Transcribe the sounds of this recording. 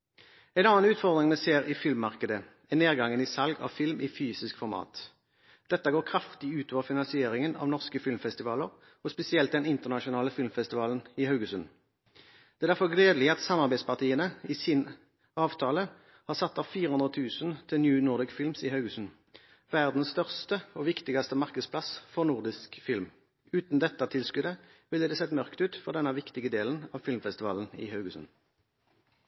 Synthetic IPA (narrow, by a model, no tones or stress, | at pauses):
ɛɪnɑːnʉːt̪fɔʁd̪ʁɪŋmɛseːɾɪfɪlmːɑʁkəd̪ə | ɛneːʁɡɑŋənɪsɑlɡɑ̰ʋfɪlmɪfyːsɪskfɔɾmɑ̰ːt̪ | d̪̥ɛt̪ːəɡoːʁkʰʁɑft̪ɪʉːt̪oːʋəfɪnɑnsɪeːɾɪŋənɑ̰ːʋnɔʁskəfɪlmfɛst̪ɪʋɑːləʁ | ɔspɛsɪɛlt̪d̪ɛnɪnt̪əʁnɑʃʊnɑːləfɪlmfɛst̪ɪʋɑːlən̩ɪhɑʉɡəsʉn | d̪̥ɛːd̪æɾfɔʁɡleːd̪əlɪəɑt̪sɑmɑʁbæɪspɑʁt̪ʰiːənəiːsin | ɑːʋt̪ʰɑːlə | hɑːʁsɑt̪ːɑːʋfiːʁəhʉnd̪ʁət̪ʰʉːsən̩t̪ʰɪlnjʉːnɔʁd̪ɪɡfɪlmsɪhɑʉɡəsʉn | ʋæʁd̪n̩sst̪œʁst̪əoːʋɪkt̪ɪɡɑst̪əmɑʁkəd̪spʰlɑsfɔʁnʊʁd̪ɪskfɪlm | ʉːt̪n̩d̪ɛt̪ːɑt̪ʰɪlskʉd̪ə | ʋɪləd̪eːseːt̪mœʁkt̪ʉːt̪fɔʁd̪ɛnːɑʋɪkt̪ɪɡəd̪eːlənɑːʋfɪlmfɛst̪ɪʋɑ̰ːlənɪ̰hɑʉɡəsʉ̰n